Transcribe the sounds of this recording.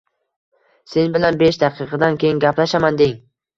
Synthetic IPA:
se̞nbɪlanbeʃd̪aqʰɨqʰɨd̪ankʲʰejɪŋɡʲaplaʃamand̪eŋ

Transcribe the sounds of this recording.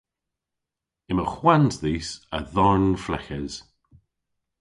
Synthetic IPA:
ɪməxwanzðiːsə̰ðɔɹnflɛxəz̥

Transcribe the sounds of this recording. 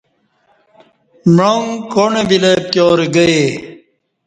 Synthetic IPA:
mɻoŋkonebilep̚t̪joːɾiɡɐe

